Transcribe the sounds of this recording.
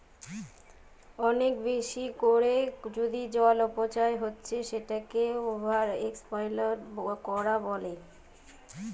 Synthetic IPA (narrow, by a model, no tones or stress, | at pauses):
ɔnekbeʃikoɾed͡ʑod̪id͡ʑɔlopot͡ɕaeɦotːɕʰeʃeʈakeobʱaɾekspajlaɾkɔɾabɔle